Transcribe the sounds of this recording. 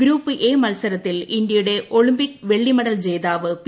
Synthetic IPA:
ɡɾuːpːɨʔe̞ːmɐlsɐɾɐt̪ːilind̪jɐjuɽe̞ʔoɭimbikːʋe̞ɭːimɐɽɐld͡ʑe̞ːjðaːʋɨp

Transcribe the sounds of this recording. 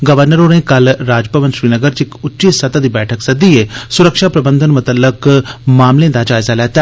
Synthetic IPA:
ɡəʋəɾnəɾõːɾẽːkəlɾaːd͡ʒpəʋənʃɾiːnəɡəɾt͡ʃɪkʊtːt͡ʃisɐt̪ad̪iːbɛːʈʰəksəd̪iːeːsʊɾəkʃaːpɾəbənd̪ʱənmʊt̪əlːəkmaːmlẽːd̪aːd͡ʒaːɪzaːlɛːt̪a

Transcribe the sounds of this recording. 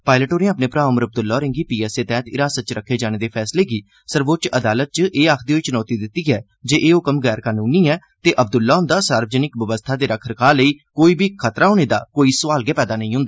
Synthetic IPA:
paːɪləʈoːɾẽãaːpneːpɾaːʋəməɾəb̚d̪ʊlːaːɾɪ̃ŋɡiːpiːɛːseːt̪ɛ̃ːt̪ɪɾaːsət͡ʃɾəkʰːeːd͡ʒaːñeːd̪eːpʰɛːsleːɡiː | səɾʋoːt͡ʃəd̪aːlət̪̚t͡ʃʔeːaːkʰd̪iːɦoiːt͡ʃʊnɔːt̪iːd̪ɪt̪ːiːɛː | d͡ʒeːʔeːɦʊːkəmɡɛːɾkaːnuːniːɛː | t̪eːʔəb̚d̪ʊlːaːɦʊ̃nd̪aːsaːɾʋəd͡ʒənɪkʋəʋəst̪ʰaːd̪eːɾəkʰəɾkʰaːləiːkoːiːbiːkʰət̪ɾaːɦoːneːd̪a̰ːkoːiːsəʋaːlɡɛːpɛːd̪aːnəɦĩːɦʊ̃nd̪aː

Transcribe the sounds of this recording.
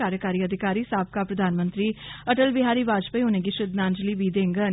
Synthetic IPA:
aːɾjəkaːɾiːəd̪ʱɪkaːɾiːsaːp̚kaːpɾəd̪ʱaːnmənt̪ɾiːəʈəlbɪɦaːɾiːʋaːd͡ʒpəiʊnẽːɡiːʃɾɪd̪nãːnd͡ʒliːʋiːd̪ẽːŋɡən

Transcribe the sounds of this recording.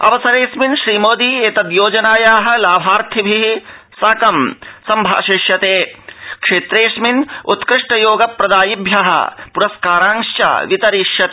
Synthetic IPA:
ɐ̰ʋɐsɐɾeːsminʃɾiːmoːd̪ieːt̪ɐd̪joːd͡ʒɐnaːjaːɦɐ̆laːbʱaːɾt̪ʰibʱiɦi | saːkɐmsɐmbʱa̰ːʃiʃjɐt̪eːkʂeːt̪ɾeːʃminṵt̪kɾɪʂʈɐjoːɡɐpɾɐd̪aːjibjaɦɐ̰puɾɐskaːɾaːŋʃjɐ̰ʋit̪ɐɾiʃjɐt̪ː

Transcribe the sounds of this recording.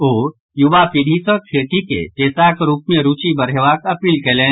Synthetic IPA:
oː | jʊʋapiɖʱisɔkʰeːʈ̪ikḛd͡ʒeːsaːkɾuːp̚mẽɾuːt͡ʃibɐɾeʋaːkɐpiːlkelẽː

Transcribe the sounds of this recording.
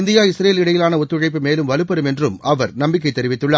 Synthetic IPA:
nd̪ɪjaːɪsɾeːlɪɽɐjɪlaːnɐɔt̪ːɯɻɐɪp̬ːɯmeːlɯmʋɐlɯpːɐɾɯmɛndrɯmɐʋɐɾnɐmbɪk̬ːɐɪt̪ːɛɾɪʋɪt̪ːɯɭːɐ

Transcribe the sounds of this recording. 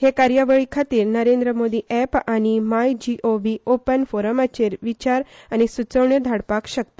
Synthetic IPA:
hekaɾjəʋəɭikʰat̪iːɾnəɾend̪ɾəmod̪iʔɛpaɽ̃imajd͡ʑiʔoʋiopənfoɾəmat͡ɕeɾʋit͡ɕaɾ | añisut͡səʋɳjəd̪ʱaɽpakɕək̚t̪o̥

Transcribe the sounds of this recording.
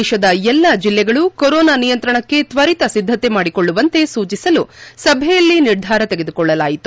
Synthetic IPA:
ʃɐd̪ɐɛlːɐd͡ʒilːɛɡɐɭukoɾɔːnaːnijɐnt̪ɾɐɳɐkːe̞t̪ʋɐɾit̪ɐsid̪ʱːɐt̪e̞maːɽikoɭːuʋɐnt̪e̞suːt͡ʃisɐlusɐbʱɛjɐlːiniɾd̪ʱaːɾɐt̪eɡe̞d̪ukɔɭːɐlaːjit̪u

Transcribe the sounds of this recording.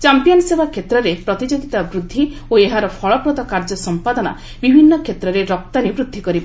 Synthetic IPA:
t͡ʃampijɔnsebakʰːet̪ɾɔɾepɾɔt̪id͡ʒɔɡit̪abɾud̪ʱːi | oeɦaɾɔpʰɔɭɔpɾɔt̪ɔkaɾd͡ʒɔsɔmpad̪ɔna̰ | bibʱinːɔkʰet̪ɾɔɾeɾɔk̚t̪anibɾud̪ʱːikɔɾiba

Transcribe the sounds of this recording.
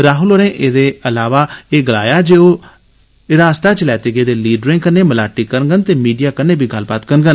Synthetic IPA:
ɾaːɦʊloːnẽːʔeːd̪eːəlaːʋaːeːɡəla̰ːjaːd͡ʒeːoː | ɪɾaːst̪aːt͡ʃəlɛːt̪eːɡeːd̪eːliːɖɾɪ̃ːkəneːməlaːʈːiːkəɾnɡənt̪eːmiːɖijaːkənːeːbʱiːɡəlbaːt̪kəɾnɡən

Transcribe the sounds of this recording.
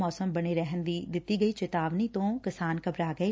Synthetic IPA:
ɔːsəmbəɽ̃eːɾɛɦənd̪iːd̪ɪt̪ːiːɡəiːt͡ʃɪt̪aːʋniːt̪õːkɪsaːnkəbɾaːɡəeː

